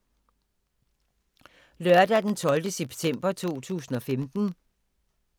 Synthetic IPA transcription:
lɶɐd̥æd̥ent͡sʰɒ̽ld̥əseb̥t͡sʰem̰b̥ɐt͡sʰo̝̰ːt͡sʰṵːsn̩ɒ̽femd̥n̩

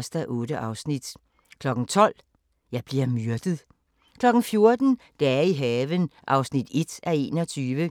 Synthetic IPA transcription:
sd̥æʔɔ̽ːɾ̥əʔɑ̈ʊsnid̥ | kʰlɒ̽ɡ̥n̩t͡sʰɒ̽l̰ | jɑ̈ɪb̥liɐmyɐd̥əð̩ˠ | kʰlɒ̽ɡ̥n̩fjo̝ɐd̥n̩d̥ɛiɦɛːʋənʔɑ̈ʊsnid̥e̝d̥æe̝̰ːnɒ̽t͡sʰyːʋə

